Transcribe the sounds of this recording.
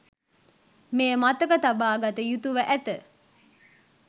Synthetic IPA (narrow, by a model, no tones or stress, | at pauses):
meːmat̪əkət̪abaːɡat̪əjut̪uʋəʔæt̪ə